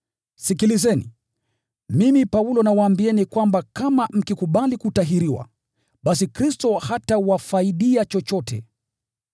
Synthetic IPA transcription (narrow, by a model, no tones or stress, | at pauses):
sikilizɛnḭ | mimipaulɔnawaːmbiɛnikwambakamam̩kikuɓalikutaɦiɾiwa̰ | ɓasikɾistɔhatawafaiɗiat͡ʃɔt͡ʃɔtʰɛ̰